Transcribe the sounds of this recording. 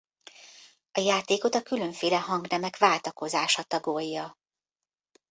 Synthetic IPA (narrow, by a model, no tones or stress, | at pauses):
ɒjaːt̪eːko̞t̪ɒkyløɱfeːlɛɦɒŋɡnɛmɛkʋaːlt̪ɒko̞zaːʃɒt̪ɒɡojːɒ